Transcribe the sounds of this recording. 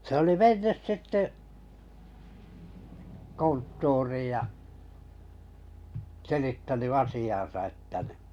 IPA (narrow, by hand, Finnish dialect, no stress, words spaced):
se oli menːys sitːe kontːuːriːj jɑ selitːæny ɑsiɑn̞sɑ etːæ nĭ